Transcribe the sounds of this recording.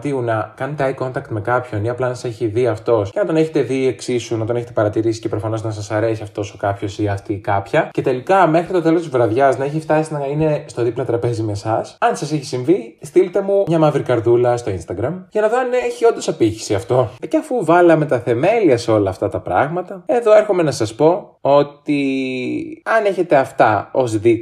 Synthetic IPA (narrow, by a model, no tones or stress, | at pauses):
t̪iunɐkɐnet̪eɐjko̞nt̪ɐkt̪me̞kɐpço̞niɐplɐnɐsɐ̥se̞çiðiɐft̪o̞sce̞nɐt̪o̞ne̞çet̪e̞ðie̞ksisːunɐt̪o̞neçet̪epɐɾɐt̪iɾisi̥cepɾo̞fɐno̞znɐs̬ɐsɐɾe̞siɐft̪o̞sokɐpço̞siɐft̪ikɐpçɐce̞t̪e̞likɐme̞xɾit̪o̞t̪e̞lot̪izvɾɐðʝɐznɐeçift̪ɐsinɐine̞st̪o̞ðiplɐt̪ɾɐpe̞zime̞sɐsɐnsɐseçi̥siɱvist̪ilit̪e̞mumɲɐmɐvɾikɐɾðulɐst̪o̞inst̪ɐɡɾɐmʝɐnɐðoɐneçio̞nd̪o̞sɐpiçi̥siɐft̪o̞ceɐfuvɐlɐme̞t̪ɐθe̞me̞liɐseo̞lɐːft̪ɐt̪ɐpɾɐɣmɐt̪ɐe̞ðo̞e̞ɾxo̞me̞nɐsɐspo̞o̞t̪i | ɐne̞çe̞t̪e̞ɐft̪ɐo̞zði